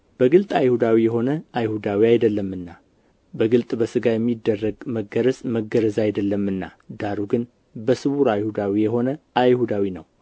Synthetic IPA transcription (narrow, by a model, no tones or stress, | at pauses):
b̥əɡɨlt̪ʼajhud̪awijɛɦo̞nəajhud̪awiajd̪əlːəmːɨnːa | bəɡɨlt̪ʼbəsɨɡajɛmːid̪ːərːəɡməɡəɾəzməɡəɾəzajd̪əlːəmːɨnːad̪aɾuɡɨn | bəsɨβuɾajhud̪awijɛɦo̞nəajhud̪awinə̰w